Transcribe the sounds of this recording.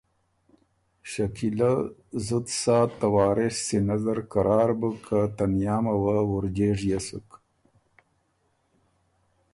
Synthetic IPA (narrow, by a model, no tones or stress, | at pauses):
ʃakilazut̪saːt̪ːawɑːɾeʂsinazaɾkaɾɑːɾbukʰat̪ɐnjaːmawawuɾd͡ʑeːʐjasṵk